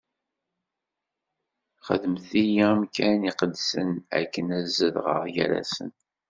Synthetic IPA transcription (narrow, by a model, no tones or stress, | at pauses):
χə̰ðəmθijamkæniqəd̪sənæ̰kːənæzːəðʁə̰ʁjə̰ɾæ̰sə̰n